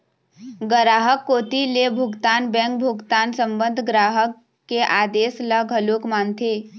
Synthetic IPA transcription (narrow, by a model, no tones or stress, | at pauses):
ɡəɾaːɦəkːoːt̪ilebʱʊɡt̪aːnbɛ̃ŋk̚bʱʊɡt̪aːnsəmbənd̪ʱɡɾaːɦəkː | eʔaːd̪eːsləɡʱəlokmaːnt̪ʰe